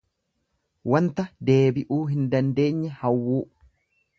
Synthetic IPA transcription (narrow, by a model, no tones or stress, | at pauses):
wɐnt̪ɐd̪e̞ːbɪʔuːɦɪnd̪ɐnd̪e̞ːɲːɛhɐwːuː